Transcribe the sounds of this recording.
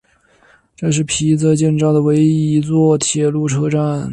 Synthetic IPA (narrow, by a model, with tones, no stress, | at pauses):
ʈ͡ʂɤ˥˧ʂ̬ɻ̩˥˩pʰi˧˥t͡sɤ˧t͡ɕjɛ˥˧nʈ͡ʂɑ˥˩ŋd̪ə˩we˧˥ɪi˧i˧˥t͡swɔ˥˩t̪ʰjɛ˨˩lu˥˩ʈ͡ʂʰɤ˥ʈ͡ʂa˥˩n